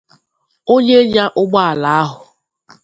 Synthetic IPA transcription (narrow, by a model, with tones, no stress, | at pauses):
o˦ɲe˦ɲa˦ʔʊ˦ɡ͡ba˦a˨la˨a˦ɦʊ˨